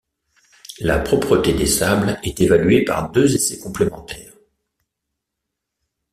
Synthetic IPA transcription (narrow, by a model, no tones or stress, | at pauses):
la̰pχɔpχət̪ed̪esablɛt̪evalɥepa̰ʁd̪øzesɛkɔ̃plemɑ̃t̪ʰɛːʁ